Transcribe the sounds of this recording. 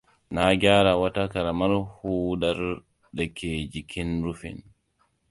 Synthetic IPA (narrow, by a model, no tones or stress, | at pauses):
naːɡaːɾawatakaɾamaɾhuːɗaɾ | ɗɛkʰeːd͡ʒikʰinɾufḭn